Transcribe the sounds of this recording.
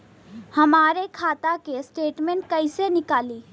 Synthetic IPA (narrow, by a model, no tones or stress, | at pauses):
hɐmaːɾekʰaːt̪akesʈeːʈmẽɳʈ̚kɐisenɪkaːliː